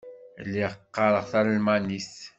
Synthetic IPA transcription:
lːiʁəqːɑɾəʁθaɾalmænis

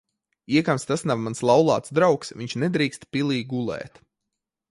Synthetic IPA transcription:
iɛkamst̪asnavmanslˠawlˠɑ̰ːt̪sd̪ɾawksʋiɲʲt͡ʃnɛd̪ɾiːkst̪pʲilˠiːɡulˠɛ̰ːt̪

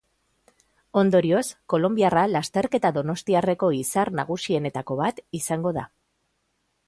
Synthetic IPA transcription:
o̞nd̪o̞ɾio̞sko̞lo̞mbiaralast̪e̞ɾke̞t̪aðo̞no̞st̪iare̞ko̞isarnaɣ̞usie̞ne̞t̪ako̞βat̪isaŋɡo̞ða̰

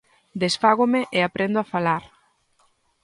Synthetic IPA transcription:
d̪esfaɣ̞omeʔeapɾʔend̪oafalaɾ

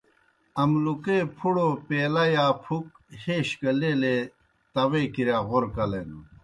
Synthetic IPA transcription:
ɐmlukepʰuɽopeːlɐjaːpʰuk̚ | heːɕkɐleːle | t̪ɐwekiɾjaːʁoɾkɐlenu

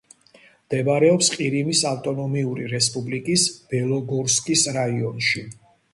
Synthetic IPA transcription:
md̪̥ɛbɾɛɔpsqʼiɾimisaft̪ʼɔnɔmiuɾiɾɛspʼublikʼisb̥ɛlˠɔɡɔɾskʼisɾaiɔnʃi

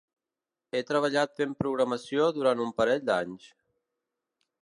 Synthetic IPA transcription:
et̪ɾəβ̞əʎat̪fempɾuɣɾəməsijoðuɾant̪umpəɾɛʎd̪aɲʃ

